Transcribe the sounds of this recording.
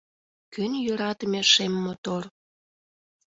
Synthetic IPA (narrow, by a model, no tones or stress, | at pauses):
kynjøɾɑt̪əmeʃemːot̪or